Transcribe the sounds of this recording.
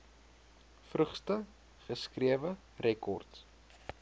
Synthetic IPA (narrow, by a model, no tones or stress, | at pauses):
frəχstə | χəskriəvə | rʔɛkɔrts